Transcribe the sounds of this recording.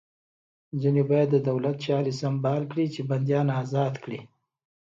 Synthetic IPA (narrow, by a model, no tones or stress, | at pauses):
zanebɑjad̪ːəd̪awlat̪t͡ʃɑɾisambɑlkɽit͡ʃeband̪jɑnazɑd̪kɽi